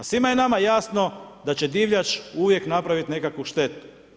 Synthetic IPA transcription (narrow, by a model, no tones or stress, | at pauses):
asʋimajenamajasno̞d̪at͡ɕe̞d̪iʋʎat͡ʃuʋje̞knapɾaʋit̪nekakʋuʃt̪e̞t̪u̥